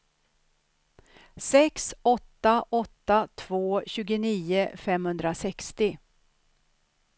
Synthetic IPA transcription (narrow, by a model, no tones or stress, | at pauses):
sɛksɔt̪ːaʔɔt̪ːat̪ʰv̥oːɕʉ̟ːɡəniːəfɛmhɵnd̪ɾasɛkst̪ɪ